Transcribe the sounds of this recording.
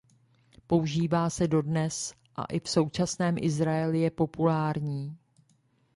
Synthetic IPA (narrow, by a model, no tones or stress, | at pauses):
po̞uʒiːvaːsɛdo̞dnɛs | ʔa̰ʔɪfso̞wt͡ʃasnɛːmʔɪzɾaɛlɪjɛpo̞pulaːɾɲiː